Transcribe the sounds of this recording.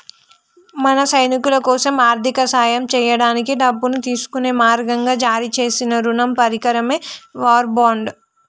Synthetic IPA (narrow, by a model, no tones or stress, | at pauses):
mɐnɐsɐjnikulɐkɔːsɐmaːɾt̪ʰikɐsaːjɐmt͡ʃɛːjɐɽaːnikiɖɐbːunut̪iːsu̥kuneːmaːɾɡɐŋɡaːd͡ʒaːɾit͡ʃe̞ːsinɐɾunɐmpɐɾikɐɾɐmeːʋaːɾbaːɳɖ